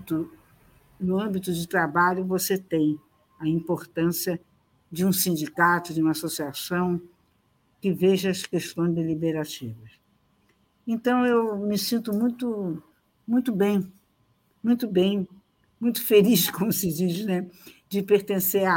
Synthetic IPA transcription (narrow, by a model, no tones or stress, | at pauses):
t̪ʊ | nʊɐ̃mbit̪ʊd͡ʒɪt̪ɾabaʎʊvoset̪ẽj̃ | ɐĩmpoɾt̪ɐ̃siɐ | d͡ʒɪũsĩnd͡ʒikat̪ʊd͡ʒɪũmasosiasɐ̃w̃ | kɪveʒɐɐskeʃt̪õj̃zd̪elibeɾat͡ʃivɐs | ẽnt̪ɐ̃w̃ewmɪsĩnt̪ʊmũj̃t̪ʊ | mũj̃t̪ʊbẽj̃ | mũj̃t̪ʊbẽj̃ | mũj̃t̪ʊ̥feliʃkõmʊsɪd͡ʒiʃnɛd͡ʒɪpeɾt̪ẽseɾa